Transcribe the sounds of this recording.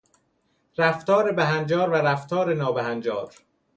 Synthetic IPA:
ɾæft̪ɒːɾebæɦænd͡ʒɒːɾvæɾæft̪ʰɒːɾenɒːbæhænd͡ʒɒːɾ

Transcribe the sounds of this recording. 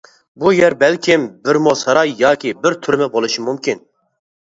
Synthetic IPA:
bujɛɾbɛlkʲʰimbɨɾmosɐɾɑːjjɑːkʲibɨɾt̪ʰʊɾmɛbolˠɨʃimumkʰin

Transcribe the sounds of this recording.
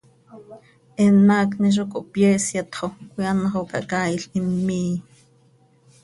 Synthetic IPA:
ʔɛnːɑːkniʃ̬okoʔpjɛːsjɑt̪χokojɑnɑχokɑ̰ʔkaːiɬimːiː

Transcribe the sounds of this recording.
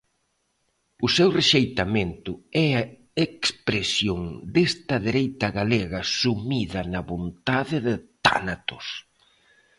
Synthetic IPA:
ʊsewreʃejt̪ɐment̪ʊɛɐ | ekspɾesjoŋd̪est̪ɐðeɾejt̪ɐɣaleɣɐsumiðɐnɐβont̪aðɪðɪt̪a̰nat̪ʊs

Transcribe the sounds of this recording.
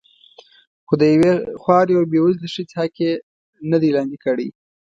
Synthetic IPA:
xod̪əjawexwɑɾjawbewuzləʂit͡shake | nəd̪ilɑnd̪ikəɽḭj

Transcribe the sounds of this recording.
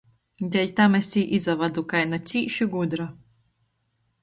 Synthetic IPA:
d̪ʲɛʎʲt̪amɛsʲiːʔizavad̪ukajnat̪sʲiːʃuɡud̪ɾa

